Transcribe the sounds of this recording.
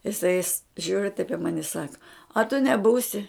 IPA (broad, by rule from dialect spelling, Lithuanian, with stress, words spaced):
ɪˈsɐɪ ɪs ˈʒʲuːrʲɪ tɐɪp ɪ ˈmɑːnʲɪ ɪ ˈsɑːkɐ ɐ tʊ nʲɛˈbuːsʲɪ